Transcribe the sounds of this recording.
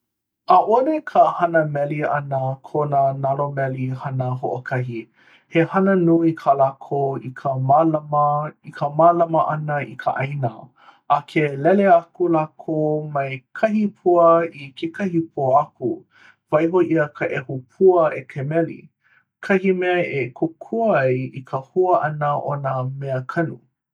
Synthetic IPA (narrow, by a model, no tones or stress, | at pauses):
ʔaʔonekʰəhɐnəmɛliɐ̰nəkʰonənalomɛlihɐnəɦoʔokʰɐɦi | hehɐnənuikʰalaːkʰoikʰəmalmikʰəmalɐməʔɐnəḭkʰə̰ʔajnə̰ | ʔakʰelɛleakulaːkʰoːmɐjkʰɐɦipʰuəikʰekʰɐhipʰuəɐku | vɐjɦoʔiəkʰəʔɛhupʰuəʔekʰemɛlḭ | kʰɐhimɛekʰokʰuɐjikʰəhuəʔɐnəʔonəmeəkʰɐnṵ